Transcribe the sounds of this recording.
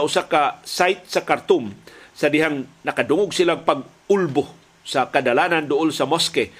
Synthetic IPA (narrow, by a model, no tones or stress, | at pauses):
ʔʊsakasajt̪̚sakaɾt̪ʊmsad̪ɪɦaŋnakad̪ʊŋʊɡsilaŋpaɡ̚ | ʊlbʊ | sakad̪alanand̪ʊʔʊlsamoskɛ